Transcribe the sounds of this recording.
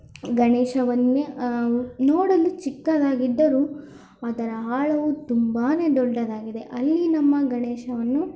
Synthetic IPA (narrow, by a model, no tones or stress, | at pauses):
ɡɐɳeːʃɐʋɐnːe | noːɽɐlut͡ʃikːɐd̪aːɡid̪ːɐɾu | ɐd̪ɐɾɐɦaːɭɐʋut̪umbaːne̞ːd̪ɔɖːɐd̪aːɡid̪e̞ʔɐlːinɐmːɐɡɐɳeːʃɐʋɐnːu